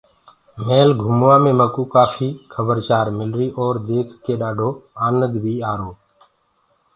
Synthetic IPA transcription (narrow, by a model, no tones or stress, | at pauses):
meːlɡʱʊmʋãːmẽːməkuːkaːfʰiːkʰəbəɾt͡ʃaːɾmɪlɾiːʔɔːɾd̪eːkʰkːeːɗaːɖʱoːaːnəd̪bʱiːaːɾoː